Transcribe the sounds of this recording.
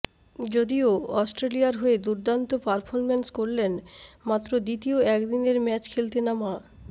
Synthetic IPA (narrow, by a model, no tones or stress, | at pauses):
d͡ʑod̪ioɔsʈɾelijaɾɦoed̪uɾd̪ant̪opaɾfʰɔɾmenskoɾlenmat̪ːɾod̪it̪ioɛkd̪ineɾmɛt͡ɕkʰelt̪enama